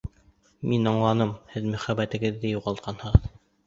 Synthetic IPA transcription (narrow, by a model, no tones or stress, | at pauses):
minɑɴlˠɑnɤmhɘðmɵ̆χæbæt̪ɘ̆ɡɘ̆ðːɘjuʁɑlˠt̪̚qʰɑnhɤ̆ʁɤð